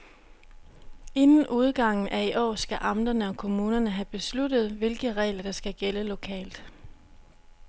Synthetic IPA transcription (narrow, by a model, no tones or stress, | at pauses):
e̝nn̩ʔuð̞ˠɡ̥ɑ̈ŋ̰n̩ʔæiʔɒ̰ːsɡ̥æʔɑ̈md̥ɐnəɒ̽kʰo̝muːnɐnəɦæb̥e̝slud̥ð̞̩ˠʋe̝lɡ̥əʁɛ̰ːlɐd̥ɑ̈sɡ̥æɡ̥eləlo̝kʰɛ̰ːld̥